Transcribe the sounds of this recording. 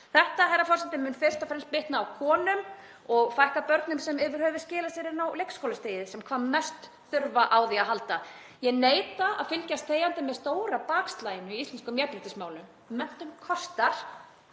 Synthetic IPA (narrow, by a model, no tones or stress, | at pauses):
θɛht̪aɦajɾafɔɾsɛnt̪ɪmʏːnfɪɾ̥st̪afɾɛns̚pɪht̪naːwkʰɔːnʏm | ɔɣfajhkapœɾt̪nʏmsɛmɛvɪɾ̥hœːvɪscɪːlasɛɾɪnawlejkskowlast̪eːjɪsɛmkʰvaːmːɛst̪ | θʏɾvaʔaːwðiaɦalt̪a | jɛneːjt̪aa̰ðfʏlcast̪θeːjant̪ɪmɛðst̪oːwɾapaːkst̪laːjɪnʏiist̪ɛnskʏmjɛɾpɾɪt̪ɪsmaːwlʏmː | ɛn̥t̪ʏmkʰɔst̪aɾ̥